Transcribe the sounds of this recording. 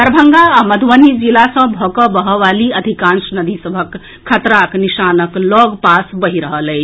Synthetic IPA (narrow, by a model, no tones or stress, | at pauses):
əɾbʱəŋɡaːməd̪ʱwənid͡ʒilasə̃bʱɔkɔbəɦɔʋaliəd̪ʱikãnsnəd̪ʱisəbʱəkʰː | ət̪ɾaknisanəklɔɡpasbəɦiɾəɦələj